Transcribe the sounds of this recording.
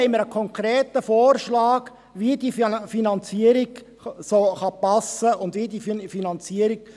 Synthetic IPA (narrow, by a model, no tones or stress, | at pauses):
ɛɪməɾəkʰɔŋkɾeːtəfoːrʃlɑːɡ | ʋidiffinɑnt͡siəɾiɡ | soːχɑpɑsəʊnd̪ʋidiffinɑnt͡siəɾiɡ̚